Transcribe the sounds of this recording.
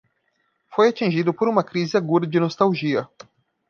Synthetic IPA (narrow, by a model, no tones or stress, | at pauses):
fojat͡ʃĩʒid̪ʊpoɾũmɐkɾizɪaɡud̪ɐd͡ʒɪnost̪awʒiɐ